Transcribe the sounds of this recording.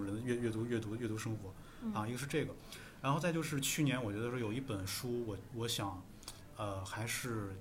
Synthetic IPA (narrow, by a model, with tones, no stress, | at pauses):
ŋɻə˧˥nd̪ə˧ɥɛ˥˧ɥɛ˥˩t̪u˧˥ɥɛ˥˩t̪u˧˥ɥɛ˥˩t̪u˧˥ʂɤ˥ŋxwɔ˧˥ | a˧i˧˥ɡə˧ʂɻ̩˥˧ʈ͡ʂe˥˩ɡə˩ | ɻa˧˥nxt͡sa˥˧ɪjo˥˧ʂɻ̩˥˧t͡ɕʰy˥˩njɛ˧˥nwt͡ɕɥɛ˧˥d̪ə˧˩ʂwɔ˥jo˨˩ʊi˥˩pə˨˩nʂu˥wɔ˧˥wɔ˧˥ɕjɑ˨˩˦ŋ | ə˧xa˧˥ɪʂɻ̩˥˩